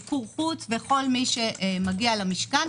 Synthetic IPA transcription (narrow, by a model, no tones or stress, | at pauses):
kuʁχut͡sveχo̞lmiʃeʔmaɡialamiʃkan